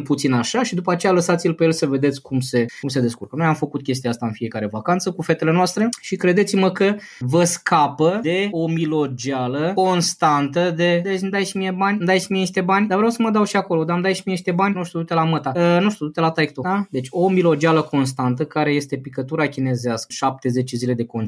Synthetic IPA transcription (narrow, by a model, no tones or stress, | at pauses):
lput̪sinaʃaʃid̪upəat͡ʃe̞jaləsat̪sʲilpe̞jelsəve̞d̪e̞t̪sʲkumse̞kumse̞d̪e̞skṵɾkənojamfəkut̪̚kʲe̞s̬t̪iaast̪aɨnfije̞kaɾe̞vakant̪səkufe̞t̪e̞le̞noast̪ɾe̞ʃikɾe̞d̪et̪sʲiməkə | vəskapəd̪e̞omilo̞d͡ʒialəko̞nst̪ant̪əd̪e̞d̪emd̪aj̪simijebanʲmd̪ajt̪simieiʃt̪ebanʲd̪avɾeawsəməd̪awʃiako̞lo̞d̪amd̪ajʃimieniʃt̪ebanʲnuʃt̪ud̪ut̪e̞lamət̪aənuʃt̪ud̪ut̪e̞lat̪ajk̚t̪oad̪e̞t͡ʃʲo̞milo̞d͡ʒaləko̞nst̪ant̪əkaɾe̞je̞st̪e̞pikət̪uɾakʲine̞zeaskəʃap̚t̪e̞ze̞t͡ʃe̞zile̞d̪e̞kon